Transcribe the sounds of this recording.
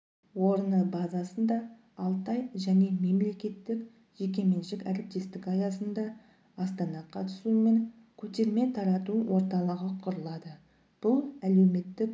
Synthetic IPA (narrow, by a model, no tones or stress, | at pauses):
woɾənəbɑzɑsənd̪ɑː | lˠt̪ɑjʒæne̞me̞mle̞kʲe̞t̪ːɪk | ʒ̥ek̬ʲe̞me̞nʃɪkæɾɪp̚t̪e̞st̪ɪkɑjɑsənd̪ɑː | st̪ɑnɑqʰɑt̪ə̥sume̞ŋ | kʲʰɵt̪e̞ɾme̞t̪ʰɑɾɑt̪uwʔo̞ɾt̪ɑlˠəʁəqʰʊɾəlˠɑd̪ə | b̥ʊlˠæle̞wme̞t̪ːɪk